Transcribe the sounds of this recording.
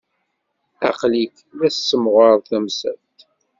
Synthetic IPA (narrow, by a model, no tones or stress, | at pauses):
ɑ̰qlik | ðæssːəmʁəɾˤθæmsæ̰lt̪